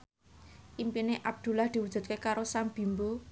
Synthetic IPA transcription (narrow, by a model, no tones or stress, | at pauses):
ʔimpineʔab̚d̪̥ṳlahd̪̥i̤wud̥ʒ̥ṳt̪̚kekaɾosamb̥i̤mbo